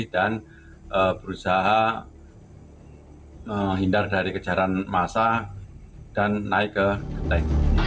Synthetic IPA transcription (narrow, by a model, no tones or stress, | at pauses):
dan | ʔəbəɾusaɦa | əɦindardaɾikəd͡ʒaɾanmasa | d̥anːaɪkːəkət̪ak